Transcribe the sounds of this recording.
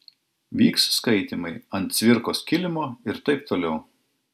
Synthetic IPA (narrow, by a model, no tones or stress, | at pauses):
ʋʲiːksskɐɪt̪ʲimɐɪɐnt̪sʲʋʲɪɾkoːskʲɪlʲɪmoːɪɾt̪ɐɪp̚t̪oːlʲɛʊ